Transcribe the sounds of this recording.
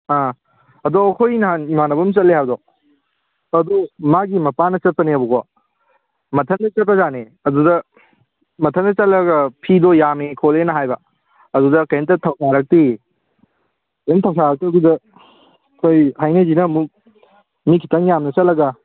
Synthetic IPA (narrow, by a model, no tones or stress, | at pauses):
a | ɐdɔɐkʰojnɐɦanimanɐbɐmsɐt̚lehawdɔ | ɐdumaɡimɐpanɐt͡ʃɐt̚pɐniɐbukɔ | mɐtʰɐndɐt͡ʃɐt̚pɐzane | ɐdudɐ | mɐtʰɐndɐt͡ʃɐlɐɡɐpʰidɔjamekʰolenɐɦajbɐ | ɐdudɐkɐjntɐtʰɐwsʰaɾɐk̚ti | kɐjntʰɐwsaɾɐk̚tiɐɡudɐ | kʰojhajnɐd͡ʒinɐːmuk̚ | mikʰi̥tɐŋjamnɐsɐt̚lɐɡɐ